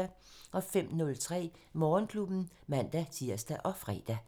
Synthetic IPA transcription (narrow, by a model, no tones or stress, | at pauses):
æ | ʔɒ̽fem̰nɔ̽lt͡sʰʁɛ̰ːmɒːnkʰlub̥n̩ | mæn̰d̥æt͡sʰiɐ̰sd̥æʔɒ̽fʁɛ̰ːd̥æ